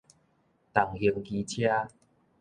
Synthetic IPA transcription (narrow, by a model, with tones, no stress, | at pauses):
t̪a˨˩ŋhi˧əŋki˧t͡ɕʰja˦